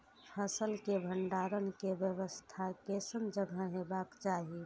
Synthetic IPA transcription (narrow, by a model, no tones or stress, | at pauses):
pʰəsəlkebʱəɳɖaɾənkebjəʋəst̪ʰakesənd͡ʒəɡʱaɦebakt͡ʃaɦi